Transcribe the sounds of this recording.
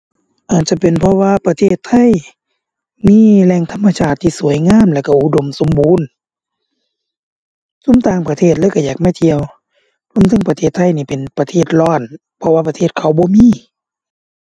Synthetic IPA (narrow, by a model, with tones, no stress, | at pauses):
ʔaː˨˩t͡ɕa˧˩pe˨npʰɔ˧waː˧˨pa˧t̪ʰeː˧˩t̪ʰːa˧˥˨j | miː˧˥˨lɛː˧˨ŋt̪ʰa˧˥˨mːa˧saː˧˩t̪ʰːiː˧˨su˨˦əjŋaː˧˥˨mlɛː˧˩wka˧˩ʔu˧˨do˨mso˨˦mbuː˨˥˨n | su˧˥˨mt̪aː˧˨ŋpa˧t̪ʰeː˧˩t̪̚lɯː˧˨ka˧˩jaː˨˩k̚maː˧˩t̪ʰi˧əw | po˧˥˨mt̪ʰa˧˥˨ŋpa˧t̪ʰeː˧˩t̪ʰːa˧˥˨jniː˧˩pe˨npa˧t̪ʰeː˧˩t̪̚lɔː˧˩˨n | pʰɔ˧waː˧pa˧t̪ʰeː˧˩t̪̚kʰa˧˩wbɔː˧˦miː˧˥˨